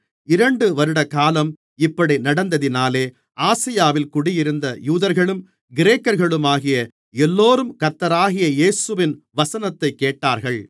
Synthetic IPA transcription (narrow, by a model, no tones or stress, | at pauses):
ɪɾɐɳɖɯʋɐɾɯɽɐkaːlɐm | ɪpːɐɽinɐɽɐnd̪ɐðɪnaːleː | ʔaːsɪjaːʋɪlkʊɽɪjɪɾɯnd̪ɐjuːðɐɾɣɐɭɯm | ɡɪɾeːkːɐɾɣɐɭɯmaːɣɪjɐ | ɛlːoːɾɯmkɐɾt̪ːɐɾaːɣɪjɐeːsɯʋɪn | ʋɐsɐnɐt̪ːɐɪkːeːʈːaːɾɣɐɭ